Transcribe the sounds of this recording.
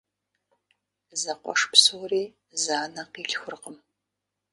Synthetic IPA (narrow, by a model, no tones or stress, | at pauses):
zɐqʷɔ̰ʂpsowriː | zaːnɐqiːɮʲxʷʊrqəm